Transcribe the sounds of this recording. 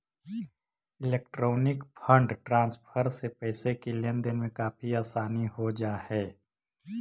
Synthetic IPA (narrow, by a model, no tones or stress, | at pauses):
ɪleːk̚ʈɾoːnɪkpʰə̃ɳɖʈɾãːnspʰəɾsepɛːsekilẽnd̪ɪnmẽkaːpʰiaːsaːniɦod͡ʒaːhɛː